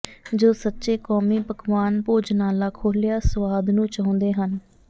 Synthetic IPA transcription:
d͡ʒoːsətːʃeːkɔːmiːpəkʋaːnpoːd͡ʒnaːlaːkʰoːlɪjaːsəʋaːd̪nũːt͡ʃãːʊ̃nd̪eːɦən

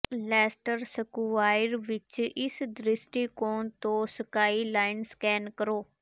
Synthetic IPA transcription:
lɛːsʈəɾsəkuʋaːɪɾʋɪt͡ʃɪsd̪ɾɪsʈiːkoːnt̪õːsəkaːiːlaːɪnskɛːnkəɾoː

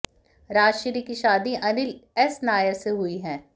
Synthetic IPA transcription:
ɾaːd͡ʒʃɪɾikiʃaːd̪iʔɐnɪlɛsnaːjəɾseɦʊiɦɛ̃ː

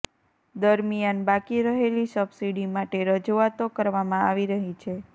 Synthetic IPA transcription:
d̪əɾmijanbakiɾəɦelisəbsiɽimaʈeɾəd͡ʒuat̪okəɾʋamãaʋiɾəɦit͡ʃʰe

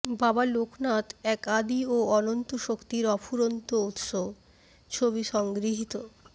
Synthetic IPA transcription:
babaloknat̪ɛkad̪ioɔnont̪oʃokt̪iɾɔfʰuɾont̪out̪ʃob | t͡ɕʰoβiʃɔŋɡɾiɦit̪o

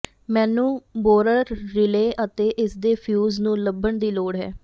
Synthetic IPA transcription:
mɛːnũːboːɾəɾːɪleːʔət̪eːʔɪsd̪eːpʰjuːznũːləbːəɳd̪iːloːɽɦɛ̰ː

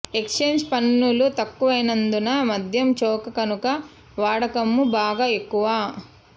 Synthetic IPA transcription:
e̞kst͡ʃe̞ːɲd͡ʒpɐnːulut̪ɐkːuʋɐjnɐnd̪unɐmɐd̪ʱjɐmt͡ʃɔːkɐkɐnukɐ | ʋaːɽɐkɐmːubaːɡaːe̞kːuʋaː

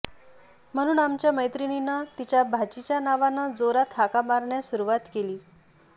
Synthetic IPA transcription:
m̤əɽ̃uːnamt͡ɕjaməjt̪ɾininət̪it͡ɕjabʱat͡ɕit͡ɕjanaʋanəd͡zoɾat̪ʰakamaɾɳjasuɾuʋat̪keliː

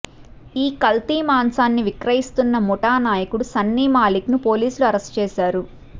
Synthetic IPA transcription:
iːkɐlt̪iːmaːnsaːnːiʋikɾɐjist̪unːɐmɔʈaːnaːjɐkuɽusɐnːiːmaːliknupo̞ːliːsuluɐɾɐst͡ʃɛːʃaːɾu

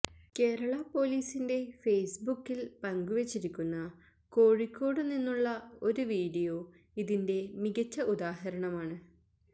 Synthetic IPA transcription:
ke̞ːɾɐɭɐpːo̞ːliːsinde̞fejsbukːilpɐŋɡuʋet͡ɕːiɾikʲːunːɐ | ko̞ːɻikʲːo̞ːɽɨninːuɭːɐo̞ɾuʋiːɽijo̞ː | iðinde̞miɣɐt͡ɕːɐʔud̪aːɦɐɾɐɳɐmaːɳɨ

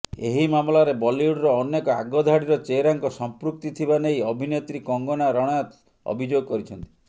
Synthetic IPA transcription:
eɦimamlaɾebɔliuɽɾɔːnːekɔa̰ɡɔd̪ʱaɽiɾɔt͡ʃeɾaŋkɔsɔmpɾuk̚t̪it̪ʰibanejɔbʱinet̪ɾikɔŋɡɔnaɾɔɽ̃ɔjat̪ | ɔ̰bʱid͡ʒoɡɔkɔɾit͡ʃʰɔnt̪i̥

